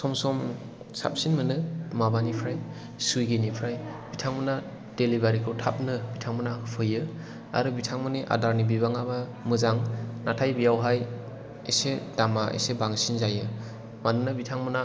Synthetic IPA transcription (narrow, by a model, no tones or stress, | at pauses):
sɔmsɔm | sa̰p̚sinmɯnɯmabanipʰɾaj | sujɡenipʰɾajb̥itʰaŋmɯna | d̥elibaɾikʰɯwtʰap̚nɯbitʰaŋmɯnapʰɯjɯ | a̰ɾɯbitʰaŋmɯneʔa̰daɾnibibaŋabamɯzaŋnatʰajbijawɦaj | esedamaʔḛsebaŋsinzajɯ | manɯnɯbitʰaŋmɯna